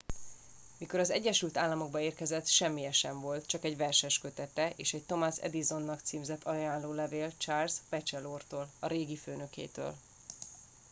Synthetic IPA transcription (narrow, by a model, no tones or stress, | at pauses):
miko̞ɾɒzɛ̰ɟːɛʃylt̪aːlːɒmo̞ɡ̚bɒeːrkɛzɛt̪ʃɛmːijɛʃɛɱvo̞lt̪t͡ʃɒkɛɟʋɛrʃɛʃkø̞t̪ɛt̪ɛʔḛːʃɛct̪o̞masɛ̰d̪izo̞nːɒkt̪siːmzɛt̪ʰːɒjaːnloːlɛveːlt͡ʃaːrspɛt͡ʃɛloːrt̪oːlɒɾeːɡiføːnøkḛːt̪ø̰ːl